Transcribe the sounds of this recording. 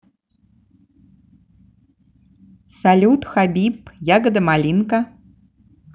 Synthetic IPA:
salʲut̪xabʲipjaɡəd̪ɐmalʲinkɐ

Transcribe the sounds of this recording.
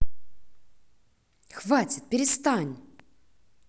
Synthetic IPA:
xvatʲɪt̪̚pʲɪɾʲɪst̪anʲ

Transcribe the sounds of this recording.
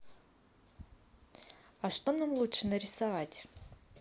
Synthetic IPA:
aʂt̪onamlˠutʂɨnəɾʲɪsavatʲ

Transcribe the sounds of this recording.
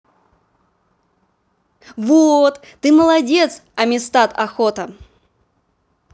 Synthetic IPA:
vot̪ːɨməlˠɐdʲet̪sɐmʲɪst̪at̪ɐxɔt̪ɐ

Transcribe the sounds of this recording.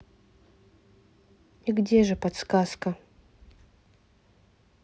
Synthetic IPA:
iɡdʲeʐɨpɐt̪skaskɐ

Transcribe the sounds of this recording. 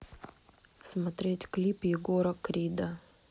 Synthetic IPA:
smɐt̪ɾʲetʲklʲipjɪɡoɾəkɾʲid̪ə

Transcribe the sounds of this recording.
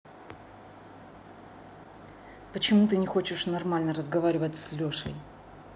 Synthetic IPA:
pət͡ɕɪmut̪ɨnʲɪxo̞t͡ɕɪʂnɐrmalʲnəɾəzɡɐvaɾʲɪvətʲslʲoʂə̰j

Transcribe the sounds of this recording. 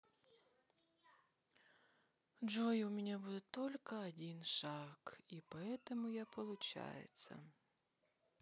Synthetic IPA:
d͡ʒɔjʊmʲɪnʲabud̪ɛt̪ɔlʲkɐɐdʲinʃɑkipɔɛt̪ɔmʊjapɔlˠʊt͡ʃa̰jḛt͡sʲːɐ̰

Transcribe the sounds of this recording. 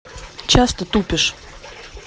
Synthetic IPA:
t͡ɕast̪ət̪upʲɪʂ

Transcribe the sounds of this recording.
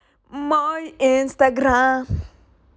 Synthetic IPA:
majĩnst̪aɡɾa

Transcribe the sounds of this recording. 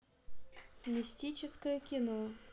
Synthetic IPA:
mʲisʲtʲit͡ɕɪskəjəkʲino

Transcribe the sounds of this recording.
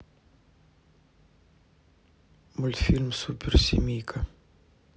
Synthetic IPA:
mʊlʲt̪fʲilʲmsupʲɪrsʲḭmʲijkʰɐ

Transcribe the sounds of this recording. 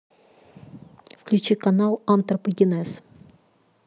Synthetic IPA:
fklʲʉt͡ɕikɐnalˠant̪rəpəɡʲɪnɛs

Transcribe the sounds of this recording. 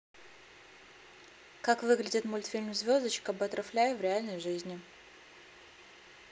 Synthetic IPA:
kakvɨɡlʲɪdʲɪt̪mʊlʲt̪fʲilʲmzvʲo̞zd̪ət͡ɕkəbəɐt̪ɾɐflʲæjɪvɾʲɪalʲnəjʐɨzʲnʲɪ

